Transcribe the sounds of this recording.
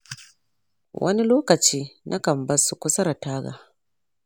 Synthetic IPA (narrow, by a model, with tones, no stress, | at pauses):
wʔɐ̰˦ni˦loː˦kɐ˨t͡ʃiː˦nʔa˦kɐ˨mbɐ˦su˨kʷʊ˦sɐ˦ɾa˨taː˦ɡa̰˨